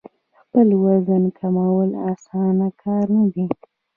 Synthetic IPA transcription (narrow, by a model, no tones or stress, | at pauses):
xpəlwazənkʰamawəlasɑnakʰɑɾnad̪i